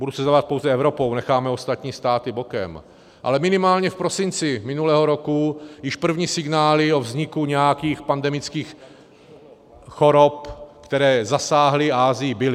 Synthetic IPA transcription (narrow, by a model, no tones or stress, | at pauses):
budusɛzavat̪̚po̞wzɛɛvɾo̞po̞wnɛxaːmɛost̪at̪ɲiːst̪aːt̪ɪbokɛ̰m | ʔa̰lɛmɪnɪmaːlɲɛfpɾo̞sɪnt͡sɪmɪnulɛːɦoɾo̞kujɪʃpr̩vɲiːsɪɡnaːlɪo̞vzɲɪkuɲɛjakiːxpandɛmɪt͡skiːx | xo̞ɾopkt̪ɛɾɛːzasaːɦlɪaːzɪjɪbɪlɪ